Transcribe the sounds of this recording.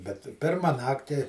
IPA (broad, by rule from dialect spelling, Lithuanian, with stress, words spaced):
bʲɛt ˈpʲɪrmɐ ˈnɑːktʲɪ